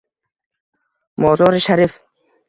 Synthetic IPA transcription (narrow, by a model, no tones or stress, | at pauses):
mɔːzɔːɾɪʃaɾif